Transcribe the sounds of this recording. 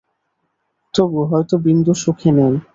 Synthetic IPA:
t̪obuɦɔjt̪obind̪uʃukʰenɛj

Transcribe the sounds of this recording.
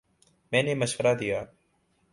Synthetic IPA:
mẽːnẽːməʃʋəɾaːd̪ɪjaː

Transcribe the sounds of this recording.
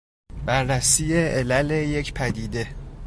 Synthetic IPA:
bæɾːæsiːjeʔelæleje̞cʰpʰæd̪iːd̪e̞

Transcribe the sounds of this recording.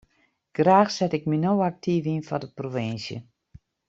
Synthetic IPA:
ɡ̥raːxsɛtɪk̚minowak̚tʰiːvinfɔdəprovɪnsjə̰

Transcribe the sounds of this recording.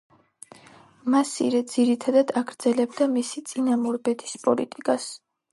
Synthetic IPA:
masḭɾɛd̪z̥iɾit̪ʰad̪ad̪aɡɾd̪z̥ɛlɛbd̪amisit̪sʼinamɔɾbɛt̪ʰi̥spʼɔlit̪ʼikʼas

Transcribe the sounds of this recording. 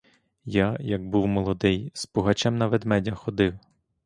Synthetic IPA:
jajɐɡ̚buwmɔlˠɔd̪ɪjspɔɦɐt͡ʃɛmnɐʋed̪mɛdʲɐxɔd̪ɪw

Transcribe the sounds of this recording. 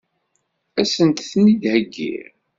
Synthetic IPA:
æsənt̪θnid̪həɡːḭɾ

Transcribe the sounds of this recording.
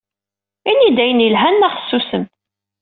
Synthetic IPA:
inːid̪æjənjəlɦænːæχə̥sːusəm

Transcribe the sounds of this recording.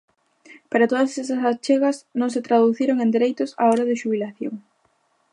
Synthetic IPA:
paɾat̪oðɐsesɐsast͡ʃeɣɐsnõŋs̬et̪ɾaðuθiɾoŋẽnd̪eɾejt̪ʊsa̰oɾɐðɪʃuβilaθjo̰ŋ

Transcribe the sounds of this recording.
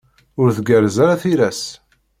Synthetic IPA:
ʊɾθəɡəɾzaɾaθiɾæs

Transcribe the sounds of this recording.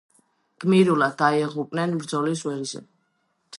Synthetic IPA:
ɡ̥miɾulad̪̚ːaɛʁupʼnɛnmɾd̪zɔlis̬wɛɾzɛ̰

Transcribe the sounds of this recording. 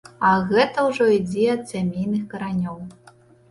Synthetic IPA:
ɐɣɛt̪ɐwʐɔid͡zʲɛɐt̪sʲamʲejnɨxkɐɾanʲɔw

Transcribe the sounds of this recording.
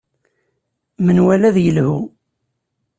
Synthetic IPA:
mənwælæðjəlhu

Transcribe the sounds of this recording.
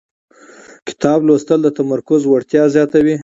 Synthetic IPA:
kɪ̥t̪ɑblost̪əld̪ət̪amaɾkʊzwaɽt̪jɑzjɑt̪awi

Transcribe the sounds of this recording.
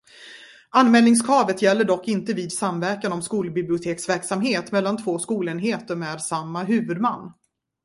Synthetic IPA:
anːmɛːlnɪŋs̬kʰɑːvət̪jɛlːəɖɔkːɪnt̪əviːd̪samvæɾkanɔmskuːlbɪblɪʊt̪ʰeːksvæɾksamɦeːt̪mɛlːant̪ʰvoːskuːleːnɦeːt̪əɾmɛːd̪samːaɦʉ̟ːvɵd̪manː

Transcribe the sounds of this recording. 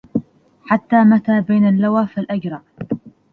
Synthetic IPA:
ħat̪ːaːmat̪aːbajnalːawaːfalʔad͡ʒɾˤɑʔ

